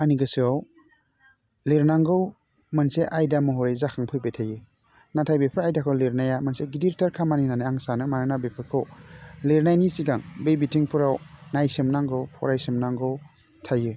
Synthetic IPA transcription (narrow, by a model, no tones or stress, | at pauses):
aniɡɯsɯaw | leɾnaŋɡɯw | manseʔajdamɔɦɔɾejzakʰaŋpʰɯjbejtʰajɯ | natʰajbepʰɯɾajdakʰɯwleɾnajamanseɡidiɾtaɾkʰamaninanaaŋsanɯmaɾɯnabepʰɯkʰɯwleɾnajnisiɡaŋbejbitʰiŋpʰuɾawnajsemnaŋɡɯwpʰɔɾajsemnaŋɡɯw | tʰajɯ